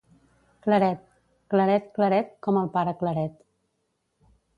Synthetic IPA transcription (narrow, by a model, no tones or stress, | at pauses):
kləɾɛt̪̚ | kləɾɛt̪kləɾɛt̪̚kɔməlˠpaɾəkləɾɛt̪